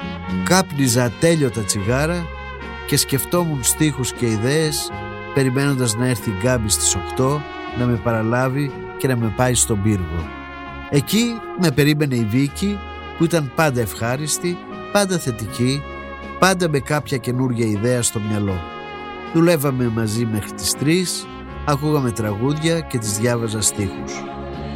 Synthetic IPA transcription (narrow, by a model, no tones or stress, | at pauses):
kɐpnizɐt̪e̞ʎo̞t̪ɐt͡siɣɐɾɐ | ce̞sce̞ft̪o̞munst̪ixusce̞iðe̞ːs | pe̞ɾime̞no̞nd̪ɐznɐe̞ɾθiɡɐbist̪i̥so̞kt̪o̞ | nɐme̞pɐɾɐlɐvi | ce̞nɐme̞pɐist̪o̞biɾɣo̞̰ | e̞ci | me̞pe̞ɾime̞ne̞ivici | puit̪ɐmpɐnd̪ɐe̞fxɐɾist̪i | pɐnd̪ɐθe̞t̪ici | pɐnd̪ɐme̞kɐpçɐce̞nuɾʝɐiðe̞ɐst̪o̞mɲɐlo̞ | ðule̞vɐme̞mɐzime̞xɾit̪i̥st̪ɾis | ɐkuɣɐme̞t̪ɾɐɣuðʝɐce̞t̪̬izðʝɐvɐzɐst̪ixus